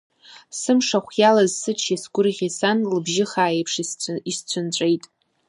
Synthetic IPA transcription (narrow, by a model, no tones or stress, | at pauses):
sɨmʂaχʷjalazsɨt͡ʃʰjasɡʷʊrʁʲisanlɨbʒɪχaːjejpʰʂist͡ɕʷʰʊnt͡ɕʷʼe̞jtʼ